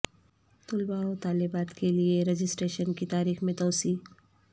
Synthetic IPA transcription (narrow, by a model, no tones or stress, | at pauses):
t̪ʊlbaot̪aːlɪbaːt̪kʰelieɾed͡ʒɪsʈɾeːʃənkit̪aːɾiːxmẽt̪ɔːsiː